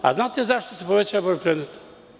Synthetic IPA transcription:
a̰znat̪zaʃt̪osɛpovɛt͡ɕaabojpɾɛd̪nɛt̪ḁ

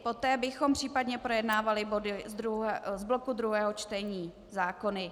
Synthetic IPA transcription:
po̞t̪ɛːbɪxo̞mpr̝̥iːpadɲɛpɾo̞jɛdnaːvalɪbo̞dɪd̪ɾuzblo̞kud̪ɾuɦɛːɦo̞t͡ʃt̪ɛɲiː | zaːko̞nɪ

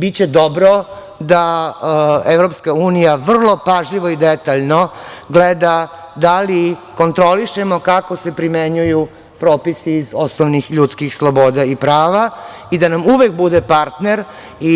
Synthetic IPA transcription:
bit͡ɕed̪obɾo | d̪a | eʋɾo̞pskauːnijaʋr̩lˠo̞paʒʎiʋo̞id̪et̪aʎnoɡled̪ad̪aliko̞nt̪ɾoliʃemokakose̞pɾimeɲuju | pɾo̞ːpisiːzosnoʋnixʎut̪skixslˠoboːd̪aipɾaːʋa | id̪anamuʋek̚bud̪epaɾt̪neɾ | i

